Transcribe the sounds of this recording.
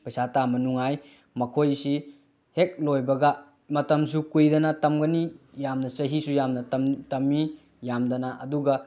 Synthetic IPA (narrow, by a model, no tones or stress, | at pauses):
pɐjsatamɐnuŋaj | mɐkʰojsi | hek̚lojbɐɡɐ | mɐtɐms̬ukujdɐnɐtɐmɡɐnijamnɐsɐɦisujamnɐtɐmːi | jamdɐnɐʔɐduɡɐ